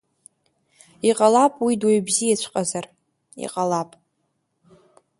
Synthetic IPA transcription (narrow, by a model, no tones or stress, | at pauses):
iqʼalapʼwidwoɥbziat͡ʃʷʰqʼazar | ḭqʼalapʼ